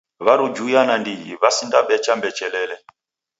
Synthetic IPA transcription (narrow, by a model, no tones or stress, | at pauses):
βaɾud͡ʒujanandiɦiβasindaɓɛt͡ʃambɛt͡ʃɛlɛːlɛ